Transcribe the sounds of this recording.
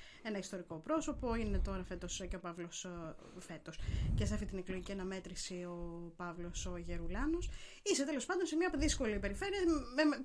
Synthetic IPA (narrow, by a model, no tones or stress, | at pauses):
e̞nɐist̪o̞ɾiko̞pɾo̞so̞poine̞t̪o̞ɾɐfe̞t̪osceopɐvlo̞s | fe̞t̪o̞scesɐft̪it̪ineklo̞ʝiciɐnɐme̞t̪ɾisiopɐvlo̞soʝeɾulɐno̞s | ise̞t̪e̞lo̞spɐnd̪o̞nsemɲɐoðisko̞lipe̞ɾife̞ɾiɐme